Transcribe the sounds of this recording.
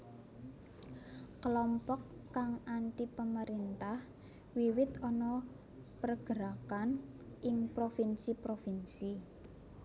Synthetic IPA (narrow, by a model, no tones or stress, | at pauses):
kəlɔmpɔkːaŋʔanʈipəməɾint̪ah | wiwɪt̪ɔnɔ | pərɡ̥əɾakan | ʔɪŋpɾofinsipɾofinsi